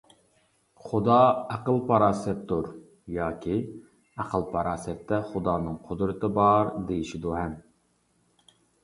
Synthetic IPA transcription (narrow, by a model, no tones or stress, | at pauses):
χʊd̪ɑæqəlˠpʰɑɾɑːsɛt̪d̪uɾ | jɑːkʲʰi | æqʰəlˠpʰɑɾɑːsɛt̪ʰːɛχʊd̪ɑːnɨŋqʰod̪ɾɨt̪ʰɨbɑɾd̪ejiʃid̪uɦɛm